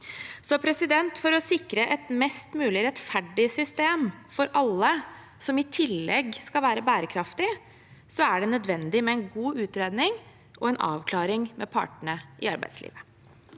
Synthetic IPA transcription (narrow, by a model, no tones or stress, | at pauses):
sɔpʰɾɛsɪd̪ɛnt̪fɔɾɔsɪkɾəʔɛt̪mɛst̪mʉːlɪɾɛt̪fæɖɪsʏst̪eːmfɔɾʔɑlːə | sɔmɪt̪ʰɪlːɛɡskɑlʋæːɾəbæːɾəkʰɾɑft̪ɪ | sɔæɖɛnœd̪ʋɛnd̪ɪmɛɛnɡuːʉːt̪ɾeːd̪nɪŋ | ʔɔɛnʔɑ̰ːʋkʰlɑːɾɪŋmɛpʰɑ̰ːʈəɳəʔɪ̰ɑɾbæ̰ɪd̪slḭːʋə